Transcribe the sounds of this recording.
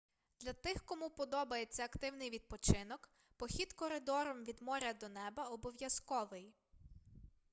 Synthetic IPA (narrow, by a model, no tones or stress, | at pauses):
d̪̥lʲɐt̪ɪxkɔmupɔd̪ɔbɐjet͡sʲːɐɐkt̪ɪwnɪjʋʲid̪̚pɔt͡ʃɪnɔk | pɔxʲid̪kɔɾɪd̪ɔɾɔmʋʲid̪mɔɾʲɐd̪ɔnɛbɐɔbɔʋjɐskɔʋɪj